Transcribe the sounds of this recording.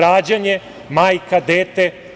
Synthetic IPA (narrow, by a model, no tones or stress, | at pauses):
ɾaːd͡ʑaɲe | maːjkʰad̪eːt̪e